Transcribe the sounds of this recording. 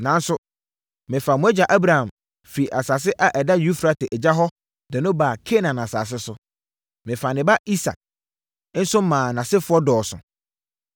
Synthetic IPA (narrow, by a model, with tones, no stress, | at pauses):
nã˨n˦sʊ˦ | mɪ̃˨fa˨mʊ̃˨˦ɛ˦d͡ʑa˨ʔa˦bɾa˨hã˨m | fi˨ʔa˨saː˨s̬ɪ˦ʔa˨ʔɛ˨da˦ju˦fɾa˨tɪ˨ʔɛ˨d͡ʑa˦ɦɔ˦ | dɛ˨nʊ̃˦ba˨kʰe˦nã˨nã˨sa̰ː˨s̬ɪ˦sʊ˦ | mɪ̃˨fa˨nɪ̃˨ba˦i˦sa̰˨k̚ | n̩˦sʊ˦mãː˨nã˨sɪ˦fʊ˦ɔ˦dɔː˨sʊ̰̃˨